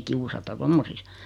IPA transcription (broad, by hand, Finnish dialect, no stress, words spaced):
kiusɑtɑ tomːosis